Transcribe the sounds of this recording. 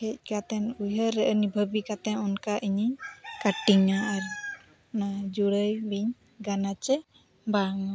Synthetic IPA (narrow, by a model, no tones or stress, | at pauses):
kʰɛc̚ˀkat̪ɛnujəɾɛʔənibʱəbikat̪ɛɔnkaʔiɲikaʈiŋaːɾ | nad͡ʒuɽəjbiɲ | ɡanat͡ʃɛ | baŋa